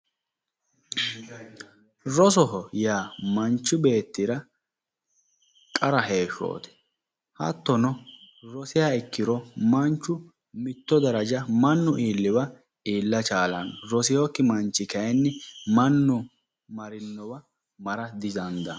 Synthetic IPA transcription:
ɾɔs̬ɔɦɔjaːmɐnt͡ʃːʊbe̞ːt̪ːɪɾɐ | kʼɐɾɐɦe̞ːʃo̰ːt̪ɛ̥ | hɐ̰t̪ːɔnɔ | ɾɔsɪjaːɪkːɪɾɔmɐnt͡ʃːʊ | mɪt̪ːɔd̪ɐɾɐd͡ʒɐmɐnːʊʔiːlːɪbɐ | iːlːɐt͡ʃʼaːlɐnɾɔsɪjɔkːɪmɐnt͡ʃːɪkɐjɛnːɪmɐnːʊ | mɐɾɪnːɔbɐ | mɐɾɐd̪ɪzɐnd̪ɐ

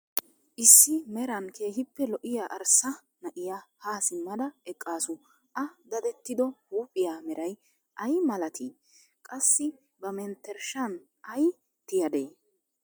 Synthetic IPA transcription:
ʔɪsːɪmɛɾɐnkʰe̞ːɦɪpːɛlɔʔɪjaːʔɐɾsɐ | nɐʔɪjahaːsɪmːɐd̪ɐɛkʼːaːsʊ | ʔɐd̪ɐd̪ɛt̪ːɪd̪ɔhuːpʼːɪjaːmɛɾɐj | ʔɐjmɐlɐt̪ʰi | kʼɐsːɪ | bɐmɛnt̪ːɛɾʃɐn | ɐj | t̪ɪjɐd̪eː

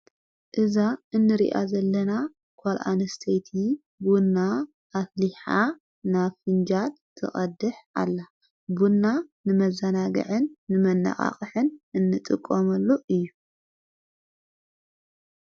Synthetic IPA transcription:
ʔɨzaɨnːɨɾḭʔazɐlːɐna | kʰalʔa̰nɨst̪ʰejt̪ʰi | bunːa | ʔafliħa | nafɨnd͡ʒal | t̪ʰɨ̰χʼɐd̪ɨħa̰lːa | bunːanɨmɐzɐnaɡɨ̰ʕɨnːɨmɐnːa̰χʼa̰χʼɨħɨnɨnːɨt̪ʼɨkʼːomɐlːoʔɨjːu

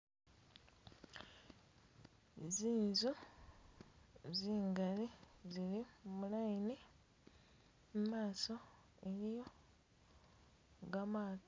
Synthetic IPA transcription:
ziːnzu | ziːŋɡalizilimulaine | mumaːso̞ | eɾijo̞ | ɡamaː

